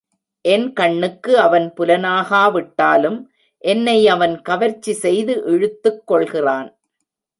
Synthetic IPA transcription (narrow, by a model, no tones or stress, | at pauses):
ʔɛnkɐɳːɯkːɯɐʋɐnpʊlɐnaːɣaːʋɪʈːaːlɯm | ʔɛnːɐɪɐʋɐnkɐʋɐɾt͡ʃːisɛjðɯʔɪɻɯt̪ːɯkːɔɭɣɪraːn